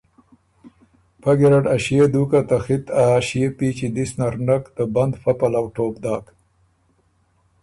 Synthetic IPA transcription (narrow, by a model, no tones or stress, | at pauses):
paɡeɾaɖaʃjed̪ukat̪axit̪aʃijepit͡ʃid̪isnaɾnakd̪̥əband̪fapalawʈoːb̚d̪ɑːk